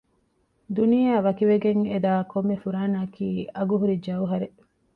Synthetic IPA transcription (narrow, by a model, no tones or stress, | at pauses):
d̪unijaːʋɐkiʋeɡeŋed̪aːkomːefuɾaːnaːkiːɐɡuɦuɾid͡ʒɐwɦɐɾe